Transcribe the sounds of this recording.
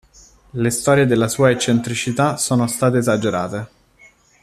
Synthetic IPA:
lest̪ɔːɾjed̪elːasuːaet͡ʃːent̪ɾit͡ʃit̪asoːnost̪aːt̪̬eːzad͡ʒeɾa̰ːt̪e

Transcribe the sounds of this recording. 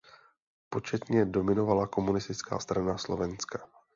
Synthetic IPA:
po̞t͡ʃɛt̪ɲɛdo̞mɪno̞valako̞munɪst̪ɪt͡ska̰ːst̪ɾanaslo̞vɛnska

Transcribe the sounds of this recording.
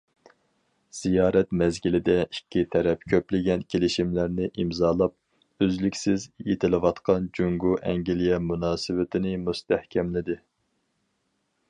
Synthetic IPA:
z̥ijɑːɾɛt̪mɛzɡʲilɪd̪ɛikʲʰːit̪ʰɛɾɛpkʲʰøplɪɡʲɛnkʲʰelɪʃimlæɾnɪʔimzɑːlˠɑp̚ | øzlykʲsɪzjet̪ʰɪlɪwɑt̪qʰɑnd͡ʒyŋɡuʔɛŋɡʲilijɛmunɑːsɨwɪt̪ʰɪnɪmust̪æhkʲʰɛmlɪd̪ɪ

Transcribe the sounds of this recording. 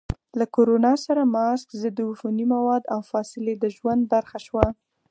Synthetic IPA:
lakoɾonɑsaɾamɑskd̪əd̪ʊfunimawɑd̪awfɑsɪled̪əʒwand̪̚baɾxaʃwa

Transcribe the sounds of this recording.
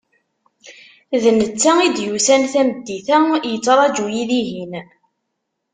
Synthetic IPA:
ðnət͡sːæid̪jusænθæməd̪ːiθæjət͡sːɾˤɑd͡ʒujiðiɦin

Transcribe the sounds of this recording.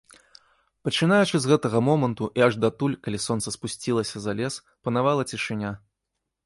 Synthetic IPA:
pɐt͡ʂɨn̪ajut͡ʂɨzɣɛt̪ɐɣɐmɔmɐnt̪uʔiaʐd̪at̪ulʲkalʲisɔnt̪sɐspusʲt͡sʲilˠɐsʲɐzalʲɛs | pɐnavalˠɐt͡sʲiʂɨnʲa

